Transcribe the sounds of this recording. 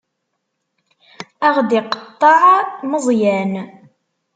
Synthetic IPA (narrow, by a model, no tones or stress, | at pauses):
æʁd̪ɪqt̪ˤːɑʕməzˤjæn